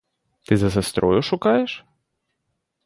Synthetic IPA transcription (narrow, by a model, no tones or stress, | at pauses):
t̪ɨzɐzɐst̪ɾɔjʊʂʊkajɛʂ